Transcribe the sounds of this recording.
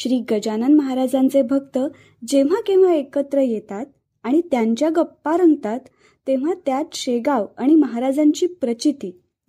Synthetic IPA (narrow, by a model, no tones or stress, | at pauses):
ɕɾiːɡəd͡ʑanənməɦaɾad͡zãnt͡sebʱəɡt̪ə | d͡ʑeʋ̤akĩw̃ʋaekət̪ɾəjet̪at̪̚ | aɽ̃it̪jaɲt͡ɕjaɡəpːaɾəŋɡt̪at̪ː | eʋ̤at̪jat̪ɕeɡaʋaɽ̃iməɦaɾad͡zaɲt͡ɕiːpɾət͡ɕit̪iː